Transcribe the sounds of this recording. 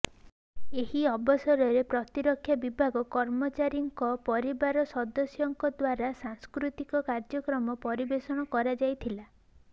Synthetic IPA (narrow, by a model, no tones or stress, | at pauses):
eɦiɔbɔsɔɾɔɾepɾɔt̪iɾɔkʰːjabibʱaɡɔkɔɾmɔt͡ʃaɾjɔŋkɔpɔɾibaɾɔsɔd̪ɔsjɔŋkɔd̪waɾasaŋskɾut̪ikɔkaɾd͡ʒɔkɾɔmɔpɔɾibesɔɽ̃ɔkɔɾad͡ʒajt̪ʰila